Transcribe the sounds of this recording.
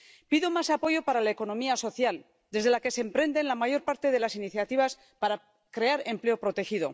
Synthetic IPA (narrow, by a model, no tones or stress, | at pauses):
piðomasapo̞ʝo̞paɾalaeko̞nõ̞miaso̞θjal | d̪e̞zð̞e̞lake̞sempɾe̞nd̪e̞nlamaʝo̞ɾpaɾt̪e̞ðe̞lasiniθjat̪iβ̞as | paɾa | kɾe̞aɾe̞mple̞o̞pɾo̞t̪e̞xiðo̞̰